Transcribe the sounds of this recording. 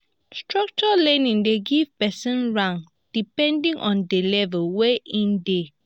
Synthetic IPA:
stɹak̚t͡ʃɔlɛ̃nĩŋdeɡivpɛsɔ̃nɹãŋ | d̥ipɛ̃ndĩŋʔɔ̃ndelɛvɛlweʔĩnde

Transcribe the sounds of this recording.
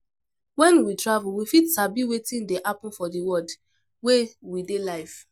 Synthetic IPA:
wɛ̃nwitɹavulwifitsabiwetĩndeʔapɔ̃n̩fɔdiwɔd | wewidelaɪf

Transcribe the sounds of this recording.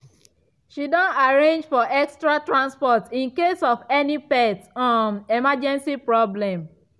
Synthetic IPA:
ʃidɔ̃naɹẽnd͡ʒfɔʔɛkstɾatɹãnspɔtĩnkesɔfɛnipɛtɔ̃nemad͡ʒɛ̃nsipɹɔblɛ̃m

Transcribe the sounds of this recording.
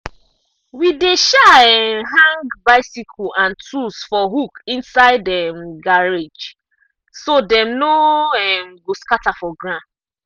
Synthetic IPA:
wideʃaɛɦãŋɡbaɪsikʰɔʔãntʰusfɔɦukĩnsaɪdɛmɡaɹed͡ʒ | sodɛ̃mnoɛmɡoskatafɔɡɹã

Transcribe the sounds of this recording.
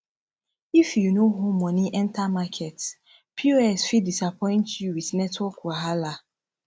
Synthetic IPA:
ifjunoɦomːɔniʔɛ̃ntamakʰɛts | pʰuɛsfidisapʰɔ̃ɪ̃ntjuwidnɛtwɔkwaɦala

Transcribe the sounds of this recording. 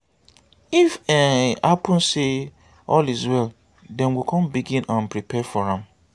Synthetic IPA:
ifɛapũnse | ɔlizwɛl | dɛ̃nwikʰɔ̃mbiɡĩnãnpʰɹipʰɛfɔɹãm

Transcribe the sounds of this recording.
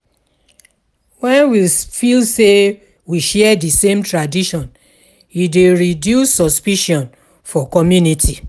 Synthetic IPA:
wɛ̃nwifilse | wiʃɛɛdisẽmtɹadiʃɔ̃n | ideɹidjusːɔspiʃɔ̃n | fɔkɔmjunitʰi

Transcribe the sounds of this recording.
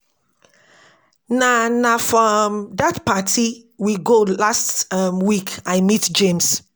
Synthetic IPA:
nanafɹɔmdatpatʰiwiɡolastamwikaɪmitd͡ʒẽms

